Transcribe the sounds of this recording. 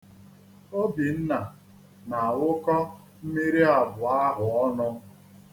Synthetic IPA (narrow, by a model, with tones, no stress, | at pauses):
o˦bi˨n̩˦na˨ | na˨a˨wʊ˦kɔ˦ | m̩˦mi˦ɾi˦a˨bʊ˨a˦ɦʊ˨ɔ˦nʊ˦